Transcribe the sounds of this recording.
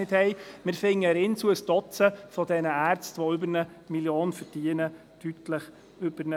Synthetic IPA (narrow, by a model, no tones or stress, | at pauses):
ɪthɛɪmɪɾfɪŋːəɾɪnt͡suəstɔt͡səfɔdɛnəæːɾt͡stʋoʏbəɾnə | miljoːnfəɾd̥iənə | tytləχ | ʏbənə